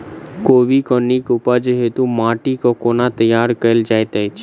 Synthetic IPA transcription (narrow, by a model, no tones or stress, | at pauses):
koːʋikɔnikupad͡ʒeɦet̪ũmaːʈikokoːnat̪əjaːɾkəld͡ʒaːjt̪ajt͡ʃʰ